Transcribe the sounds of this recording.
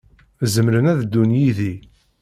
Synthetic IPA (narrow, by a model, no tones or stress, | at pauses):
zəmɾənæðd̪ːunjiði